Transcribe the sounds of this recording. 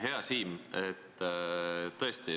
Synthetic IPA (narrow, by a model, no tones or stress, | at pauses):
ɦe̞ɑsiːmet̪ː | t̪ːɤest̪i